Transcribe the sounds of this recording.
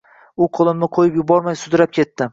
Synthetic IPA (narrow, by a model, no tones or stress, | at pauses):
ʊqʰolˠɪmnɪqʰojɪpjʊbɒɾmajsʊd̪ɪɾap̚kʲʰe̞t̪ːɪ